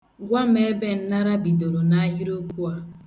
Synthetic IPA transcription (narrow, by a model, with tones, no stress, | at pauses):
ɡʷa˦m˦e˦be˦n̩˦na˦ɾa˦bi˨do˨ɾo˨na˨a˦ji˦ɾo˦ku˦a˨